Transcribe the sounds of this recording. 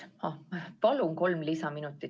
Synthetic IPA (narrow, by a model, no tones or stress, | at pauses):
ɑpɑluŋko̞lmlisɑminut̪ːˑi